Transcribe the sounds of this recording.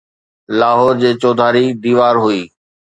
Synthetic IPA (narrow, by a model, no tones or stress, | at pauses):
laːɦɔːɾd͡ʑeːt͡ɕɔːd̪ʱaːɾid̪iːʋaːɾɦʊiː